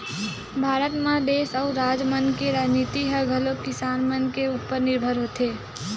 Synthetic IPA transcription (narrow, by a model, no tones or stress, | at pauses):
bʱaɾət̪mãd̪esəuɾad͡ʒmənkeɾad͡ʒnit̪iɦəɡʱəlokɪsanmənkeupːəɾnɪɾbʱəɾɦot̪ʰe